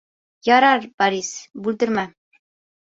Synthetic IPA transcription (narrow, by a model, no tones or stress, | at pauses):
jɑɾɑɾbɑɾisbʉld̪ɘ̆ɾmæ